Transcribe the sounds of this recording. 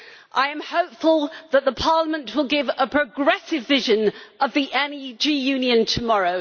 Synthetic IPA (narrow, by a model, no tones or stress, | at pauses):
ʔaɪə̃mhəʊpfəlˠðəʔ̚ðəpʰɑˑːləmə̃nʔwɪlˠɡɪvəpʰɹ̥əɡɹɛsɪvɪʒə̃nʔəvðiʔɛ̃nid͡ʒijʉ̃njə̃ntʰəmɒɹəʊ